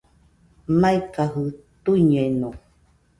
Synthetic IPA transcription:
maikaɦɨt̪uiɲeenõ

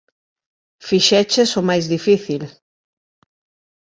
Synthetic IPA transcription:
fiʃɛt͡ʃesʊmajzðifiθil

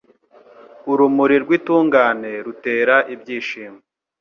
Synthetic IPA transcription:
uɾumuɾiɾɡwiːtuːŋɡaːne̞ɾute̞ːɾaʔibɟiːʃiːme

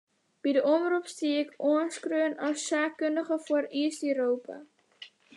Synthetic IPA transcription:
b̥idəʔɔmrupstiɛkɔənskrøənɐsːaːkəndəχəfuəriːstyɾowpa̰

